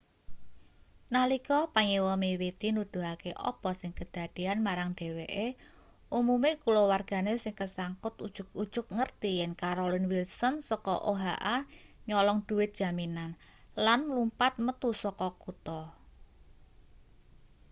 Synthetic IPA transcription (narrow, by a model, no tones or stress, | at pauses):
nalikɔpaŋewɔmiwet̪inud̪̥ṳɦakeʔɔ̰pɔsɪŋkəd̪̥a̤d̪̥i̤anmaɾaŋɖ̪̥e̤weʔe | umumekulowarɡ̥a̤nesɪŋkəsaŋkʊt̪ud̥ʒ̥ʊk̚ud̥ʒ̥ʊk̚ŋərt̪ijɛŋkaɾolɪnwilsɔnsɔkɔʔoɦaʔa | ɲɔlɔŋd̪̥ṳwɪt̪̚d̥ʒ̥a̤minan | lanlumpat̪̚mət̪usɔkɔkut̪ɔ